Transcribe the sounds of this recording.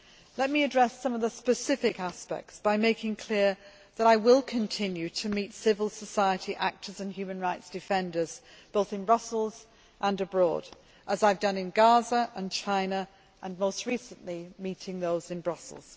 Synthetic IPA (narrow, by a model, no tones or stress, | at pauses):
lɛt̚miɨdɹɛsʌ̃mʌvðəspəsɪfɪkaspɛ̰k̚tsb̥aɪmeɪkɪ̃ŋkʰl̥ɪə | ðəɾaɪwɪlˠkʰə̃ntʰɪ̃njʉtʰəmitsɪvəl̩ˠsəsaɪətiʔak̚tʰə˞zə̃nhjʉmə̃nɹaɪtsd̥ɨfɛ̃ndə˞z̥ | b̥oʊθɨ̃nbɹʌsl̩ˠz̥ | ʔə̃nɨbɹɔ̰ːd | ʔəzaɪvdʌ̃nɨ̃nɡɑzəʔə̃nt͡ʃʰãɪ̃nə | ʔə̃nmoʊst̚ɹisə̃nʔlimitɪ̃ŋðoʊzɨ̃nbɹʌsl̩ˠz̥